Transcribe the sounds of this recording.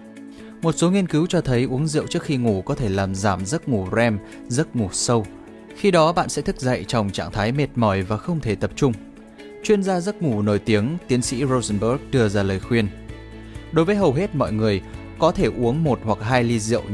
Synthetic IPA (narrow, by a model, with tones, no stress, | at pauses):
mo˨˩t̚so˨˦ŋi˧ənkɨ˨˦wt͡ɕɔ˧t̪ʰə˨˦jʔu˨˦əŋzḭ˧˨əwt͡ɕɨ˦˥ək̚xi˧ŋu˧˩kɔ˨˦t̪ʰe˧˩laː˨˩mzaː˧˩mzə˦˥t̚ŋu˧˩zɛ˧m | zə˦˥t̚ŋu˧˩sə˧w | xi˧ɗɔ˨˦ɓa̰ː˧˨nsɛ̰˧˥t̪ʰɨ˦˥k̚zə̰˧˨jt͡ɕɔ˧wŋ͡mt͡ɕa̰ː˧˨ŋt̪ʰaː˨˦jme˨˩t̚mɔ˧˩jvaː˨˩xə˧wŋ͡mt̪ʰe˧˩t̪ə˨˩p̚t͡ɕʊ˧ŋ͡m | t͡ɕwi˧ənzaː˧zə˦˥t̚ŋu˧˩no˧˩jt̪i˨˦əŋt̪i˨˦ənsḭ˧˥zo˧zə˧nbə˦˥k̚ɗɨ˧əzaː˧˩ləː˨˩jxwi˧ən | ɗo˨˦jvəː˨˦jɦə˨˩wɦe˦˥t̚mɔ̰˧˨jŋɨ˨˩əj | kɔ˨˦t̪ʰe˧˩ʔu˨˦əŋmo˨˩t̚hwa˨˩k̚ɦaː˧jli˧zḭ˧˨əw